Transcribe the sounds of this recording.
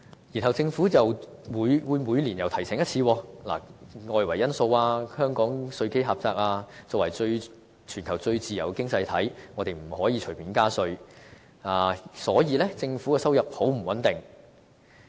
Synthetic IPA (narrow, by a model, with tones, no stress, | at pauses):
jiː˨˩nɦɐ˨˩wt͡sɪ˧ŋfuː˨˥jɐ˨wwuː˨˧jwuː˨˧jmuː˨˧jli˨˩njɐ˨˩wt̪ʰɐ˨˩jsɛː˨˥jɐ˥t̚t͡sʰiː˧wɔː˧la̰˨˩ŋɔː˧jwɐ˨˩jɐ˥nso˧waː˧hœː˥ŋkɔː˨˥ŋsɵ˧ɥke˥jɦaː˨p̚t͡saː˧k̚aː˧t͡sɔː˧wɐ˨˩jt͡ʃɵ˧ɥ | t͡ʃʰyː˨˩nkʰɐ˨˩wt͡sɵ˧ɥt͡siː˨jɐ˨˩wkɪ˥ŋt͡sɐ˧jt̪ʰɐ˨˥jŋɔː˨˧t̪e˨jm̩˨˩hɔː˨˥jiː˨˧t͡ʃʰɵ˨˩ɥpʰiː˨˥nkaː˥sɵ˧ɥ | aː˨˩sɔː˨˥jiː˨˧lɛː˥t͡sɪ˧ŋfuː˨˥kɛ˧sɐ˥wjɐ˨p̚ho˨˥wm̩˨˩wɐ˨˥nt̪ɪ˨˩ŋ